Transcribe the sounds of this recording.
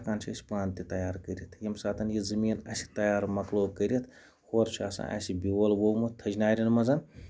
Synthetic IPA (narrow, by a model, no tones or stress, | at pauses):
kaːnt͡ʃʰisʲi̥paːnt̪it̪ɐjaːɾkəɾʲit̪ʰjimsaːt̪ɐnjizɐmiːnɐ̰sʲi̥t̪ɐjaːɾmɐkloːkəɾʲit̪ʰ | hoːɾt͡ʃʰa̰ːsã̰ɐ̰sibʲiwɐlwowmut̪ʰːɐd͡ʒnaːɾʲinmɐzɐn